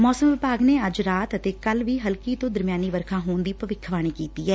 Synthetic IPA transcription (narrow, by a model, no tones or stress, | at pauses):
mɔːsəmʋɪpaːɡneːəd͡ʒɾaːt̪ət̪eːkəlʋiːɦəlkiːt̪õːd̪əɾmjaːniːʋəɾkʰãːɦoːɳd̪iːpəʋɪkʰʋaːɽ̃iːkiːt̪iːɛː